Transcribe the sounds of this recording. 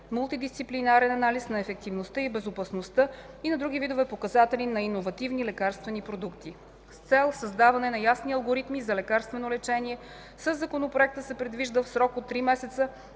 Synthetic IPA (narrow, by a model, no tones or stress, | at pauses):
mʊlˠt̪id̪ist̪siplinaɾɛnɐnalisnɐɛfɛk̚t̪ivnost̪əibɛzopɐsnost̪ə | inɐd̪ɾuɡ̟ivid̪ovɛpokɐzat̪ɛlinɐinovɐt̪ivnilɛkaɾst̪vɛnipɾod̪ukt̪i | st̪sɛlˠsəzd̪avɐnɛnɐjasniɐlˠɡoɾit̪mizɐlɛkaɾst̪vɛnolɛt͡ʃɛniɛ | səzːɐkonopɾoɛk̚t̪əsɛpɾɛd̪viʒd̪əfsɾɔkot̪ːɾimɛsɛt̪sə